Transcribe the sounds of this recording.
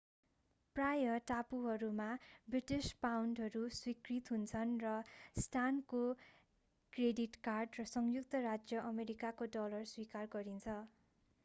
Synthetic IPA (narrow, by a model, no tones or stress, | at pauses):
prajʌʈapuɦʌɾumabriʈispawnɖɦʌɾuswikrit̪ɦunt͡sʰʌnrʌsʈanko | krediʈkarɖrʌsʌŋjuk̚t̪ʌɾad͡zjʌʔʌmeɾikakoɖʌlʌrswikarɡʌɾint͡sʰʌ